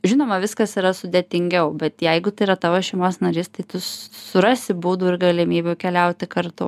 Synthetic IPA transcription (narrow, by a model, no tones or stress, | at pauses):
ʒʲɪnoːmɐʋʲɪskɐsiɾɐsʊd̪ʲɛːt̪ʲɪŋʲɡʲɛʊbʲɛt̪jɛɪɡʊt̪ɐɪiɾɐt̪ɑʋoːsʃʲɛɪmoːsnɐɾʲiːst̪ɐɪt̪ʊsʊɾɑsʲɪbuːd̪uːɪɾɡɐlʲɪmʲiːbʲuːkʲɛlʲɛʊt̪ʲɪkɐrt̪ʊ